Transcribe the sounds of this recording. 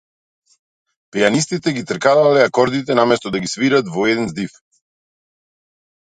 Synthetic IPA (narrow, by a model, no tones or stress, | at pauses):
pɛjanist̪it̪ɛɡit̪ɾkad̪alɛakɔɾd̪it̪ɛnamɛst̪ɔd̪aɡisviɾat̪vɔɛd̪ɛnzd̪if